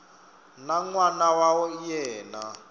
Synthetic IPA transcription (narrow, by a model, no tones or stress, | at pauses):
naŋwanawawɔijɛːna